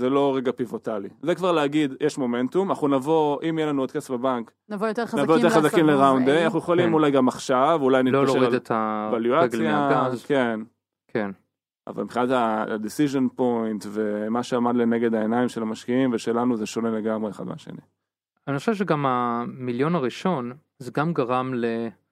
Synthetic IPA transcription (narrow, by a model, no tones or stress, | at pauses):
zelo̞ʁeɡapivo̞talizekvaʁleaɡid̪jʔeʃmo̞me̞ntumanaχunavo̞ʔimjelanuod̪kestbebaŋk | navojot̪navojoteʁχazakimleʁawnd̪ejanaχnujeχolimulajɡamaχʃavulajnillidt̪ʰavaljuaɡiake̞n | kʰen | a̰va̰lmipχinat̪ad̪isiʒonpo̞jnt̪ve̞maʃeamad̪lene̞ɡed̪aenaimʃe̞lamaʃkiimveʃe̞lanuzeʃo̞ne̞le̞ɡamʁeːχa̰d̪mḛaʃe̞̰nḭ | aniχoʃevʃ̬eɡamamiljo̞naʁiʃo̞n | zeɡamɡaʁamle